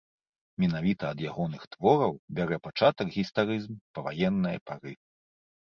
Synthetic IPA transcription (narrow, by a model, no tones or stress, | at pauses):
mʲinavʲit̪ɐːd̪jaɣɔnɨxt̪vɔɾɐwbʲaɾɛpat͡ʂat̪ɐɡɣʲist̪aɾɨzmpɐvajɛnːɨjɐ̰paɾɨ